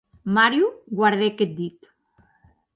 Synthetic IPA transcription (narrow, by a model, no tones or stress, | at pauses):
maɾjuɡwaɾðeket̪̚d̪it̪